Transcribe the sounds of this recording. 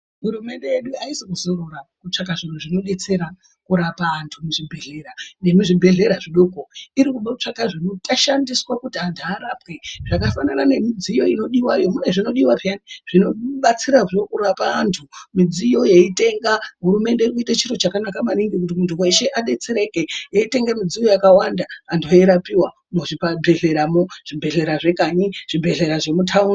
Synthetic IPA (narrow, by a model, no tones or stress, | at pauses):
ɦuɾume̞nde̞jeɗuaisikuzororakut͡ʂakaʐin̤uʐino̞ɗe̞t͡se̞ɾa | kuɾapaːntʰumuʐibʱe̞ɮe̞ɾane̞muʐibʱe̞ɮe̞ɾaʐiɗokoiɾikuɓaut͡ʂakaʐinutaʃandiswakutiantʰuaɾapwe̞ʐ̥akafananane̞mid͡zijo̞ino̞ɗiwajo̞mune̞ʐino̞ɗiwaʐjaniʐ̥ino̞ɓat͡siɾaʐiokuɾapaːntʰumid͡zijo̞jeite̞ŋɡaɦuɾume̞nde̞irik̬uitat͡ʃiɾo̞t͡ʃakanakamaniŋɡikut̬imuntʰuwe̞ʃe̞ʔaɗe̞t͡se̞ɾe̞ke̞jeite̞ŋɡamid͡zijo̞jakawandaːndoiɾapiwa | moʐipabʱe̞ɮe̞ɾamoʐ̥ibʱe̞ɮe̞ɾaʐe̞kaɲiʐ̥ibʱe̞ɮe̞ɾaʐe̞mutʰaun